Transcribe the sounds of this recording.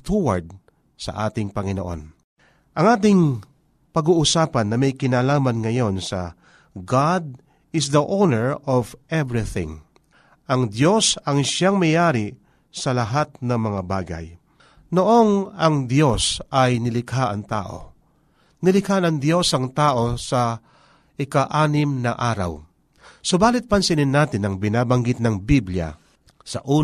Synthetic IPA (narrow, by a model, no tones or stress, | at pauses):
t̪uwɐ̰ɹd̪̚ | sɐ̰ʔaːt̪ɪŋpɐŋɪno̞ʔo̞̰n | ʔɐŋaːt̪ɪŋ | pɐɡuːʔʊsaːpɐnːɐmɐjkɪnaːlaːmɐnŋɐjo̞nsɐ̰ | ɡad̪̚ | ɪs̬d̪ɐʔownɛɹɔvʔɛvɹɪθɪ̰̃ŋ | ʔɐŋd̪jo̞sɐŋʃaŋmɐjaːɾɪ | sɐlɐɦat̪̚nɐŋmɐŋaba̰ːɡɐ̰j | noʔo̞nɐŋd̪jo̞sɐjnɪlɪkʰaʔɐŋt̪a̰ːʔo̞̰ | nɪlɪkanɐŋd̪jo̞sɐŋt̪aːʔo̞sɐ | ʔɪkaʔaːnɪmnɐʔaːɾa̰w | sobaːlɪt̪̚pɐnsɪnɪnːaːt̪ɪnɐŋbɪnaːbɐŋɡɪt̪̚nɐŋbiblja̰ | sɐ̰ʔuː